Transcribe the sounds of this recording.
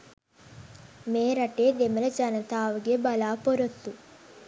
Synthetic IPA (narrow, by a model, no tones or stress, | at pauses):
meːɾɐʈed̪emɐlɐt͡ʃɐnɐt̪aːʋuɡebɐlaːpoɾot̪ːu